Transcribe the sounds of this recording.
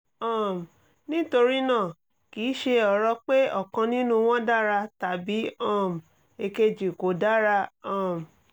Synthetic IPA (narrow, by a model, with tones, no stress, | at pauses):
ɔ̃˦˨m̩˨ | nĩ˦to˧ɾi˦nãː˦˨ | kiː˨˦ʃe˧ɔ˧˨ɾɔ˧k͡pe˦ɔ˦˨kã˧nĩ˦nũ˦w̃ɔ̃˦da˦ɾa˧ta˨bi˨˦ɔ̃˦˨m̩˨ | e˧ke˧d͡ʒi˨ko˨da˦ɾa˧ɔ̃˦˨m̩˨